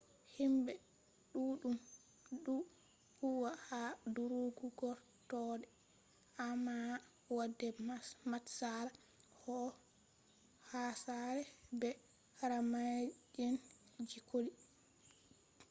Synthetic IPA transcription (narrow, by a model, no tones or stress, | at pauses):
himbɛ | ɗuɗum | ɗu | huwahaduɾuɡuɡɔɾ | tɔdɛ | amːa | wadːɛmatsaɾa | hɔ | hasaɾɛbɛ | ɾamad͡ʒɛnd͡ʒikoli